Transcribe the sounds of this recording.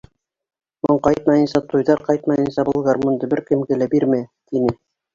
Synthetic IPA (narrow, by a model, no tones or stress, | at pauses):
moɴqɑjt̪mɑjɤ̆nsɑt̪ʰujðɑɾqɑjt̪̚mɑjɤ̆nsɑbulˠʁɑɾmŭnd̪ɤ̆bɘɾkɘ̆mɡɘlæbiɾmæt̪inɘ